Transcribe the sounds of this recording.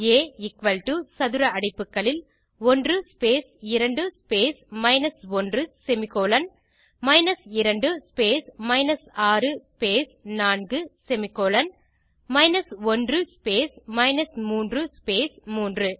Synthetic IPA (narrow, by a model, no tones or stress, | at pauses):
eːɪkʋɐlʈusɐðɯɾɐɐɽɐɪpːɯkːɐɭɪl | ɔndrɯspeːsɪɾɐɳɖɯspeːsmɐɪnɐsɔndrɯsɛmɪkːoːlɐn | mɐɪnɐsɪɾɐɳɖɯspeːsmɐɪnɐsaːrɯspeːsnaːnɡɯsɛmɪkːoːlɐn | mɐɪnɐsɔndrɯspeːsmɐɪnɐsmuːndrɯspeːsmuːndrɯ